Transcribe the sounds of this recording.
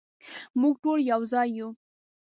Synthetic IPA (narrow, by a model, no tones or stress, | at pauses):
muɡ̚ʈoljawzɑjːu